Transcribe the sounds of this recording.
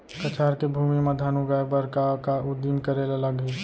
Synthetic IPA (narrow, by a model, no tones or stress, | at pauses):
kɐt͡ʃaːɾkebʱuːmimɐd̪ʱaːnuɡajbəɾkakaʊd̪imkəɾeːlɐləɡɦi